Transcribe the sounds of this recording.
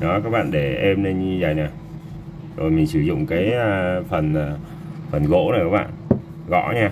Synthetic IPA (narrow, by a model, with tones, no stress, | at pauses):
nɔ˨˦kaː˦˥k̚ɓa̰ː˧˨nɗe˧˩ʔe˧mne˧n˧zaː˨˩jna˨˩ | zo˨˩jmi˨˩ŋ̟sɨ˧˩zʊ̰˧˨ŋ͡mkaː˨˦jfə˨˩na˨˩ | fə˨˩nɣo̰˧˥na˨˩kaː˦˥kɓa̰ː˧˨n | ɣɔ̰˧˥ɲaː˧